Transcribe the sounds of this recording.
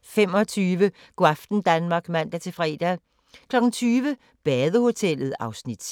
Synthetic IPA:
fem̰ɒ̽t͡sʰyːʋə | ɡ̥wafd̥n̩d̥ænmɑ̈ːɡ̥mæn̰d̥æt͡sʰe̝fʁɛ̰ːd̥æ | kʰlɒ̽ɡ̥n̩t͡sʰyːʋə | b̥ɛːðˠəho̝t͡sʰel̰ð̩ˠɑ̈ʊsnid̥

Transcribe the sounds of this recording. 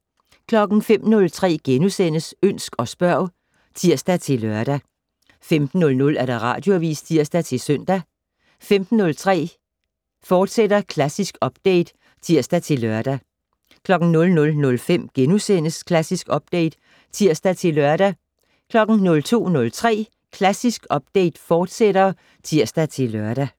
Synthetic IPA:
kʰlɒ̽ɡ̥n̩fem̰nɔ̽lt͡sʰʁɛ̰ːɡ̥enusen̰əsøn̰sɡ̥ɒ̽sb̥ɶɐ̰ | t͡sʰiɐ̰sd̥æt͡sʰe̝lœɐɾ̥æ | femd̥n̩ːɔ̽lnɔ̽læɐɾɑ̈ʁɑ̰̈ːd̥jo̝æʋḭːst͡sʰiɐ̰sd̥æt͡sʰe̝sœn̰d̥æ | femd̥n̩nɔ̽lt͡sʰʁɛ̰ː | fɒːd̥sedɐkʰlæsisɡ̥ɒ̽b̥̚d̥eɪd̥ | t͡sʰiɐ̰sd̥æt͡sʰe̝lœɐ̰d̥æ | kʰlɒ̽ɡ̥n̩nɔ̽lnɔ̽lnɔ̽lfem̰ɡ̥enusen̰əskʰlæsisɡ̥ɒ̽b̥̚d̥ḛɪd̥ | t͡sʰiɐ̰sd̥æt͡sʰe̝lɶɐd̥æ | kʰlɒ̽ɡ̥n̩nɔ̽lt͡sʰo̝̰ːnɔ̽lt͡sʰʁɛ̰ː | kʰlæsisɡ̥ɒ̽b̥̚d̥eɪd̥fɒːd̥seɾ̥ɐ | t͡sʰiɐ̰sd̥æt͡sʰe̝lœɶɐɾ̥æ

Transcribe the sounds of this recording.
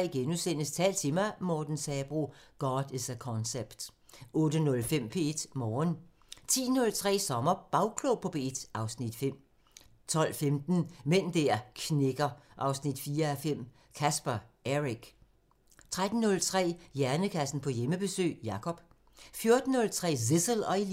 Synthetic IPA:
ɡ̥enusen̰əst͡sʰɛ̰ːlt͡sʰe̝mɑɪmɒːd̥n̩sɛːb̥ʁuɡ̥ɒːd̥esækʰɒnseb̥d̥ | ɔ̽ːd̥ənɔ̽lfem̰pʰe̝e̝d̥mɒːn | t͡sʰḭːnɔ̽lt͡sʰʁɛ̰ːsɒ̽mɐb̥ɑ̈ʊkʰloʊpʰɒ̽b̥e̝ed̥ʔɑ̈ʊsnid̥fem̰ | t͡sʰɒ̽l̰femd̥n̩men̰d̥ɛɐ̰kʰneɡ̥ɐʔɑ̈ʊsnid̥fiːɐæfem̰ | kʰæsb̥ɐʔæʁiɡ̥ | t͡sʰʁad̥n̩ːɔ̽lt͡sʰʁɛ̰ːjæɐnəkʰæsn̩pʰɒ̽jeməb̥e̝sø̰ːjɑ̈kʰɒ̽b̥ | fjo̝ɐd̥n̩ːɔ̽lt͡sʰʁɛ̰ːsisəl̩ɒ̽il

